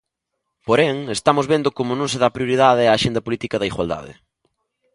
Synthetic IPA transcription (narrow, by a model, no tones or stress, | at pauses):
poɾeŋest̪amʊzβend̪ʊkomʊnõŋseðapɾjoɾiðaðɪaːʃẽnd̪ɐpolit̪ikɐðɐiɣwa̰ld̪a̰ðɪ̰